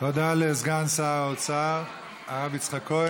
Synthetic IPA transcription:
t̪od̪alezɡansaot͡saʁ | aʁavit͡sχako

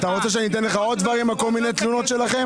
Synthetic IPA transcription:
at̪aʁo̞t͡se̞ʃ̬eanit̪e̞nleχao̞d̪̚d̪vaʁimako̞lminet̪luno̞t̪ʃe̞laχe̞m

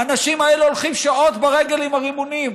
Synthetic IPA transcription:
anaʃimaeleolχimʃao̞t̪baʁeɡe̞limaʁimunim

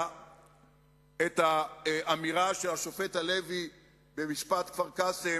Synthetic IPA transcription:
et̪aʔamiʁaʃelaʃofe̞t̪hale̞vi | be̞miʃpat̪kvaʁkase

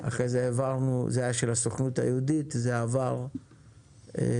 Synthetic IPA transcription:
a̰χʁejzeevaʁnṵzeajaʃelasoχnutha̰jeuditzeavaʁ | ḛ

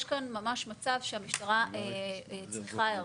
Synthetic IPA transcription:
ʃkanmamaʃmat͡savʃeamiʃt̪aʁaet͡sʁiχaa

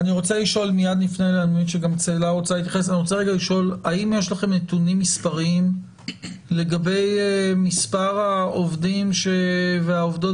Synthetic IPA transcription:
aniʁo̞t͡seliʃo̞lmijadlifnejleanuinʃeɡamt͡seːlaʁot͡salit̪̬jaχesaniʁot͡seeɡaliʃo̞laimjeʃlaχe̞mnetunimːispaʁiim | le̞ɡabe̞jemispaʁaovdimʃeveaovdo̞

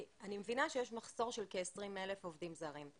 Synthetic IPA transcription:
animevinaʃejeʃmaχso̞ʁʃelkeːsʁimelefovdimzaːʁim

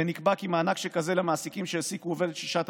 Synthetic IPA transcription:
enikbakimaːnakʃekazelamaːsikimʃeesikuove̞d̪et̪ʃi̥ʃat̪

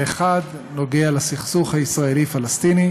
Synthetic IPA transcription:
eχad̪ | no̞ɡealasiχsuχhaisʁae̞lifalast̪ini

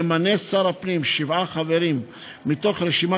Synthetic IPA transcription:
manesaɾapnimʃivaχaveɾimː | it̪o̞χɾeʃima

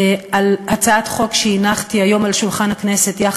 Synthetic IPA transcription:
alhat͡saatχo̞kʃeinaχtiajo̞malʃulχanhaknese̞tja

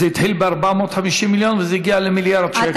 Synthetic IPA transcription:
ɛt̪hilbaɾbamɔt̪ħamiʃimːiljonvəzɛɡialemiljaɾd̪ʃɛk

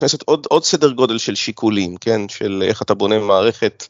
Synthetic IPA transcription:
neset̪odo̞dsedeʁɡo̞de̞lʃe̞lʃikʰulimke̞nʃelḛχatabo̞nemaːʁe̞χe̞t

